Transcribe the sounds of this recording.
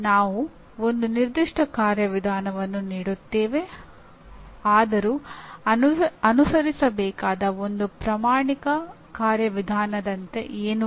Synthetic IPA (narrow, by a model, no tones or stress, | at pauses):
naːʋu | o̞nd̪uniɾd̪iʂʈɐkaːɾjɐʋid̪ʱaːnɐʋɐnːuniːɽut̪ːeːʋe̞ | aːd̪ɐɾu | ɐnusɐɾisɐbɛːkaːd̪ɐo̞nd̪upɾɐmaːɳikɐ | kaːɾjɐʋid̪ʱaːnɐd̪ɐnt̪e̞̰ʔeːnu